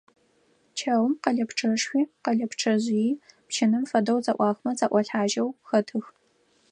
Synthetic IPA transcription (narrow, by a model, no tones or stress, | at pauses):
t͡ʃʰɐwmqɐɮɐpʈ͡ʂʰɐʂxʷiːqɐɮɐpʈ͡ʂʰɐʑjipt͡ʃʰɪnɨmfɐdɐwt͡sʼɐʔʷɑːxmɐt͡sʼaʔʷɐɬħaːʒɐwxɐtʰɨx